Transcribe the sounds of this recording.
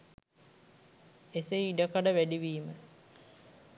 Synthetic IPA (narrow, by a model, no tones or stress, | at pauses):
eseiɖəkaɖəʋæɖiʋiːmə